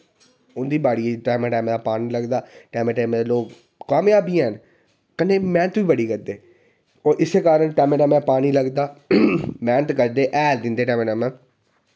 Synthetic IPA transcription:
ʊnd̪iːbaːɽieʈɛːmẽːʈaːmːd̪aːpaːniːləɡd̪aːʈɛːmẽːʈaːmẽd̪eloːk | kaːmjaːbʱiːɛːn | kəneːmɛ̃ːnət̪biːbəɽiːkəɾd̪eː | oːɾʔɪsːeːkaːɾənʈɛːmẽːɖaːmɛ̃ːpaːniːləɡd̪aː | mɛ̃ːnət̪kəɾd̪eːʔɛːld̪ɪ̃nd̪eːʈɛːmeːɖaːmɛ̃ː

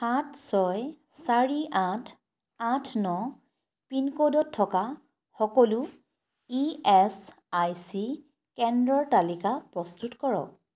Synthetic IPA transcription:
xatʰsɔj | saɹiʔãtʰ | ãtʰnɔ | pinkodɔtʰːɔka | xɔkɔlu | iɛs | ajsi | kɛndɹɔɹtalikapɹɔstutkɔɹɔ̰k̚

